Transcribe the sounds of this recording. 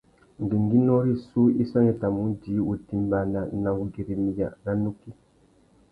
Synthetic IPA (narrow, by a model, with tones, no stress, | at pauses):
ndi˨ŋɡi˦no˦ɾi˦su˦i˦sa˦ŋe˨ta˨mu˨˦di˨˦u˨ti˦mba˨na˨na˨wu˨˦ɡi˨ɾi˨mi˨ja̰˨na˨nu˦ki˦